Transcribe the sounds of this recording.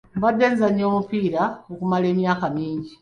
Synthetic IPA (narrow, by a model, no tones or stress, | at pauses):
mbad̪eːnzaɲo̞ːmupiːɾaokumale̞ːmjaːkamiːɲɟi